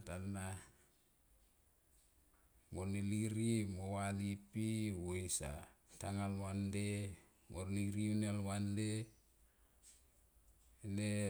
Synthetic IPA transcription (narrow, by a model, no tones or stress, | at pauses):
tana | morniliɾimowalipiwoisa̰taŋalwande | morniɾiunelwande | ne